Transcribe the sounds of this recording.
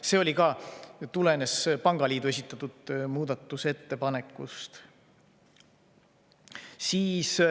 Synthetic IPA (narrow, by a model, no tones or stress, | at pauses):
se̞o̞lʲikɑt̪ule̞ne̞spɑŋɡ̥ɑlʲiːd̪ue̞s̬ʲit̪ːˑɑt̪ːˑud̪muːd̪̥ɑt̪ːˑuse̞t̪ːe̞pɑne̞kːˑṵst̪ | siːs